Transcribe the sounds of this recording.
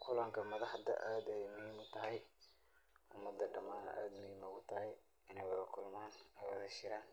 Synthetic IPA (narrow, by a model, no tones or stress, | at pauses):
qʰʊlaːŋkʰɐmɐðɑħd̪ɐ̰ʔaːd̪ɛɛjmʊhiːmʊt̪ʰɐɦɛj | ʔʊmːɐd̪ːɐɖɐmaːnɐ̰ʔaːd̪mʊhiːmɐɣʊt̪ʰɐɦɛj | ɪnɛjwɐðɐkʰʊlmaːnɛwɐðɐʃɪɾaːn